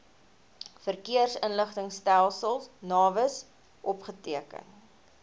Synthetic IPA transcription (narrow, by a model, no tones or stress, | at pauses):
fərkiərsənləχtəŋstælˠsəlˠsnɑːvəs | ʔɔpχətiəkə̰n